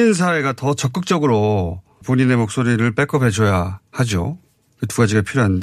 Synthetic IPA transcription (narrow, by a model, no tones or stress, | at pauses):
ins̬ʰae̞ɡatʌt͡ɕʌk͈ɯk̚t͡ɕ͈ʌɡɯɾo | poɲine̞mok̚s͈oɾiɾɯɭp͈ek͈ʌpʰe̞d͡ʑʌjahad͡ʑo | kɯtuɡad͡ʑiɡapʰiɾjoɦannde